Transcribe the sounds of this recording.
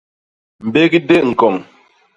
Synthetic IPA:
m̩˨be˦ki˦de˦ʔŋ̩˨kɔ˨ŋ

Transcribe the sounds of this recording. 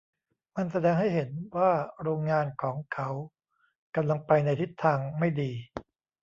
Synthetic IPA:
ma˧nsa˧dɛː˧ŋɦa˥˩jɦe˩˦nwaː˥˩ɾoː˧ŋːaː˧nkʰɔː˩˦ŋkʰa˦˥w | ka˧mla˧ŋpa˧jna˧jt̪ʰi˦˥˩t̪ʰːaː˧ŋma˥˩jdiː˧

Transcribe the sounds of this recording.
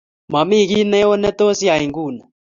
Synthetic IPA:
ma˨mi˦˨ɣi˦nɛ˦o˦nɛ˦t̪o˦si˦a˨i˨ŋɡuː˦˨na˨

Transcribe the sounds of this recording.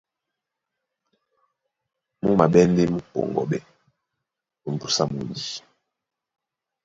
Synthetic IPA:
mu˦ma˨ɓɛ˦nde˦mu˦pɔ̰˨ŋɡɔ̰˨ɓɛ˨ | u˨m˨bu˨sa˦mu˨ni˨

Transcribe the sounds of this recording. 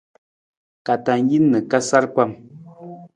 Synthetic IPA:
ka˨ta˨n˦ji˦nːə˨ka˦sa˦ɾpa˦˨m

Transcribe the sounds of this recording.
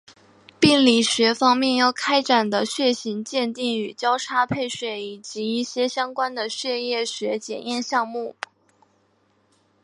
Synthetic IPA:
pi˥˩nli˨˩ɕɥɛ˧˥fɑ˥ŋmjɛ˥˧njɑ˥˩ʊkʰa˥ɪʈ͡ʂa˨˩nd̪ə˦ɕɥɛ˥˩ɕi˧˥ŋt͡ɕjɛ˥˧nt̪i˥˩ŋy˨˩t͡ɕjɑ˥ʊʈ͡ʂʰa˥pʰe˥˩ɪɕwe˨˩ɪi˨˩t͡ɕi˧˥i˥˩ɕjɛ˥ɕjɑ˥ŋkwa˥nd̪ə˨ɕɥɛ˥˧jɛ˥˩ɕɥɛ˧˥t͡ɕjɛ̰˨˩njɛ˥˧nɕjɑ˥˧ŋmu˥˩

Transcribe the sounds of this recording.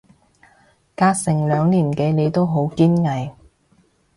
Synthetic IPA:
kaː˧k̚sɪ˨˩ŋlœː˨˧ŋliː˨˩nke˨˧˥le˨˧jt̪o˥wɦo˨˥wkiː˥nŋɐ˨˩j

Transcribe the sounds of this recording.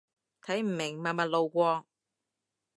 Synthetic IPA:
t̪ʰɐ˨˥jm̩˨˩mɪ˨˩ŋmaː˨˩mɐ˨t̚lo˨wkʷɔː˧ŋ

